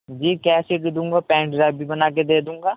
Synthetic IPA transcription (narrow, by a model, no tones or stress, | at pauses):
d͡ʒiːkɛːseʈd̪ũːŋɡaːpɛ̃ːɳʈɾaːbʱibɐnaːk̬ed̪eːd̪ũːŋɡaː